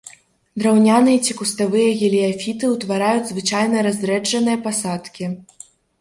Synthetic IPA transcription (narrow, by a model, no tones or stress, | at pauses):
d̪ɾawnʲanɨjɐt͡sʲikust̪avɨjɐɣʲɛlʲiafʲit̪ɨwt̪vaɾajud͡zʲzvɨt͡ʂajnɐɾazʲd̪ɾɛd͡ʐɐnɨjɐpasat̪kʲi